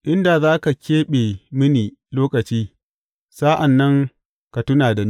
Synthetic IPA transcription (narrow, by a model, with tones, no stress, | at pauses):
ʔɪ˦nda˨zaː˦ka˨kʲeː˦ɓeː˨mɪ˦niː˨loː˦kɐ˨t͡ʃiː˦ | saː˦ʔa˨nːɐ˦ŋ | ka˨tʊ˦naː˨da˨m˦